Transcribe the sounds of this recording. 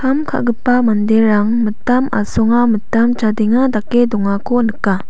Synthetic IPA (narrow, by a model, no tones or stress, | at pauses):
kʰamkʰa̰ɡɯpːamandeɾaŋmɯtːama̰sɔŋamətːamt͡ʃadeŋadakːedɔŋakʰonɯkːa